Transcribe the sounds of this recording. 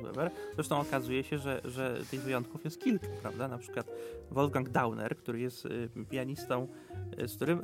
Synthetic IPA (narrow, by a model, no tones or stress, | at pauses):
ɛ̰vɛɾz̥ɾɛʂt̪ɔ̃w̃ɔkazujɛɕɛʐɛʐɛt̪ɘɣvɘjɔnt̪̚kufjɛst̪̚kʲilkḁpɾa̰vd̪anapʂɘ̥kwat̪vɔlɡaŋɡd̪awnɛ̰ɾkt̪uɾɘjɛst̪pʲijaɲist̪ɔ̃w̃ | sk̚t̪uɾɘm